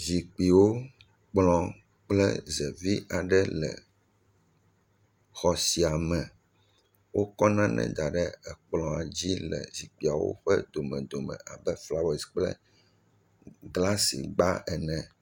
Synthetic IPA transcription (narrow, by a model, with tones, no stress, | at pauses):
zi˨k͡pi˨wo˦ | k͡plɔ̃˨ | k͡plɛ˦zɛ˨vi˦ʔa˨ɖɛ˦lɛ̰˨ | xɔ˨si˨a˨mɛ̃˨ | wo˦kɔ˦nã˦nʔɛ̰̃˦d̪a˨ɖɛ˦ɛ˨k͡plɔ̃˨a˨d͡ʑi˦lɛ̰˨zi˨k͡pi˨a˨wo̰˦ɸɛ˦d̪o˨mɛ̃˨d̪o˨mɛ̰̃˨ʔa˨bɛ˦fla˦wɛ˨sk͡plɛ̰˦ | ɡla˦sḭ˨ɡ͡ba˦ɛ˨nɛ̃˨